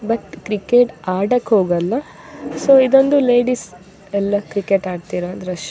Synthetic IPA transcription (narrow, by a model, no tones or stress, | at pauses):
bɐʈkɾikeːʈaːɖɐkːɦoːɡɐlːɐ | soːid̪ond̪ule̞ːɖis | ɛlːɐkɾikeʈaːɖt̪iːɾɐːnd̪ɾɐʃ